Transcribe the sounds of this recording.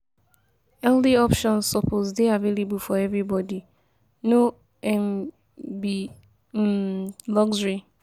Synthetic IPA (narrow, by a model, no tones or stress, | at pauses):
ɛldiɔpʃɔ̃nsːɔpozdeavelebufɔɛvɹibɔdi | no | ɛm | bi | lɔɡd͡ʒɹi